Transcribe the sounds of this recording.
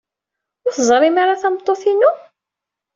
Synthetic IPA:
ʊɾθzˤɾˤimaɾaθæmt̪ˤːoθinu

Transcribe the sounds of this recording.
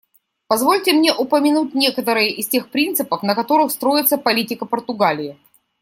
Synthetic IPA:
pɐzvo̞lʲtʲɪmnʲe̞ʔʊpəmʲɪnut̚ʲnʲe̞kət̪əɾɨjəʔɪstʲexpɾʲint̪sɨpəfnəkɐt̪o̞ɾɨxst̪ɾo̞ɪt̪səpɐlʲitʲɪkəpərt̪ʊɡalʲɪːɪ

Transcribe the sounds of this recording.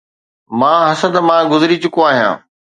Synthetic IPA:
mãːɦɐsə̃nd̪mãɡʊzɪɾit͡ɕʊkoaːɦijã̰ː

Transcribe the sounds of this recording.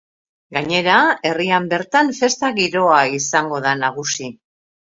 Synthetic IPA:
ɡaɲe̞ɾae̞riambe̞ɾt̪anfe̞st̪aɣiɾo̞aisaŋɡo̞ðanaɣ̞usi

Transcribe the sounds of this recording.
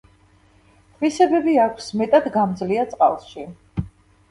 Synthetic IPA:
tʰʼvisɛbɛbiakʷʰsmɛt̪ʼad̪ɡamd̪zliat̪sʼqʼa̰lˠʃi

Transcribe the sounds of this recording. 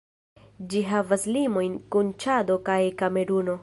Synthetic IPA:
d͡ʒiɦavaslimo̞jnkunt͡ʃad̪o̞kajkameɾuno̞

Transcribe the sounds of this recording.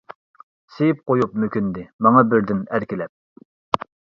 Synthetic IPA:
sejip̚qojupmøkʲynd̪ɪmɑŋɑbɪɾd̪ɪnæɾkʲɪlɛp̚

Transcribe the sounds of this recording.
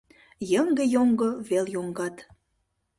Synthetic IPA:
jəŋɡəjoŋɡoβeljoŋɡɑt̪

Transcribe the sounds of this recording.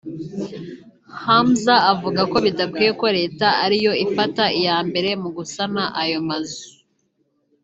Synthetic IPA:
hamzaːvuɡako̞βidakwieko̞ɾe̞ːtaaɾijo̞ifataijaːmbe̞ɾe̞muɡusanaʔajomazu

